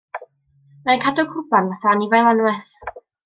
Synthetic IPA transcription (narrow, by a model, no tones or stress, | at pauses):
mankʰadɔkʰʊbanvaθanivajlˠanwɛθ